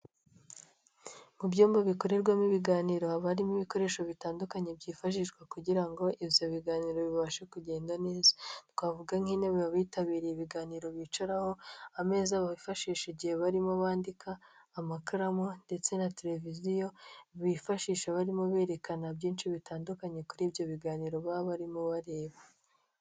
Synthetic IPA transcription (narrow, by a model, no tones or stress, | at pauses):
mubɟoːmbaβiko̞ɾe̞ɾɡwamiβiɡaːniɾo̞aβaɾimiβiko̞ɾe̞ːʃoβitaːndukaɲe̞bɟiːfaʃ̬iʃɡwakuɟiɾaŋɡo̞ʔiβjo̞βiɡaːniɾo̞βiβaʃekuɟe̞ːndane̞ːzḁntwavuɡaŋ̥hineββaβiːtaβiːɾiiβiɡaːniɾo̞βit͡ʃaɾaho̞ame̞ːzaβaβifaʃiːʃeɟiheβaɾimoβaːndikʰaːmakaɾamonde̞t͡se̞nateɾe̞vizijo̞βifaʃiːʃaβaɾimoβe̞ːɾe̞kanabɟiːnʃiβitaːndukaɲe̞kuɾiːbjo̞βiɡaːniɾo̞βaβaɾimoβaɾe̞ːβa